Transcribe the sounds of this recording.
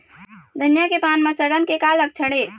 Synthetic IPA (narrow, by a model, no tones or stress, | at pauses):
d̪ʱənjakepaːnmẽsəɽənkekalək̚t͡ʃʰəɽe